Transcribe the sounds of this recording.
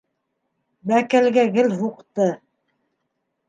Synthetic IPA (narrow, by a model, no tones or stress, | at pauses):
bækælɡæɡɘlɦuqt̪ɤ